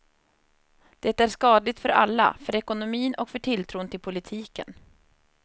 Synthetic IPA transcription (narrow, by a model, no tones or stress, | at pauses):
d̪̥ɛt̪æʂkɑːd̪lɪɡ̚t̪fœɾa̰lːa̰fœɾɛkʊnʊmiːnɔkfœʈʰɪlt̪ʰɾuːnt̪ʰɪlpʰʊlɪt̪ʰiːkə̰n